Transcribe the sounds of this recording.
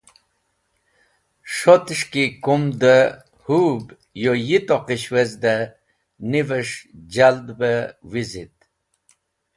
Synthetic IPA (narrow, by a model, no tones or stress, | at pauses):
ʂot̪ʂkikumd̪ə | hub | jojit̪oqiɕwezd̪ə | nivəʂd͡ʒd͡ʑald̪bəwizit̪̚